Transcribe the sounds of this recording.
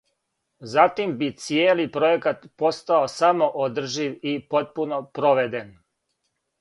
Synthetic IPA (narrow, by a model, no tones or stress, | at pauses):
zat̪imbit̪sijeːlipɾo̞jekat̪po̞st̪aosamo̞ʔod̪r̩ʒiʋipo̞t̪̚puno̞pɾoʋed̪en